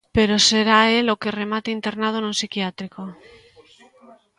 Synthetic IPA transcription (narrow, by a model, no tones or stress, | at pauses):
pe̞ɾo̞se̞ɾae̞lo̞ke̞re̞mat̪eint̪e̞ɾnað̞onũnsikjat̪ɾiko